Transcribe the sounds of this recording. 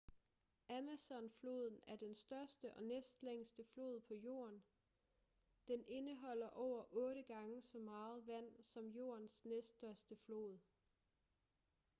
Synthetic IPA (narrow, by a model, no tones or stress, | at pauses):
æmæsɒ̽nflo̝ːð̞ˠn̩æɐd̥ensd̥ɶɐsd̥əʔɒ̽nesd̥leŋ̰sd̥əflo̝̰ːð̞̩ˠpʰɒ̽jo̝̰ːɐn | d̥ene̝nəɦɒ̽l̰ɐʔɒʊ̰ɐʔɔ̽ːɾəɡ̥ɑ̈ŋəsɒ̽mɑ̈ːð̞̩ˠʋæn̰sɒ̽mjo̝̰ːɐ̰nsnesd̥ɶɐsd̥əflo̝̰ːð̞ˠ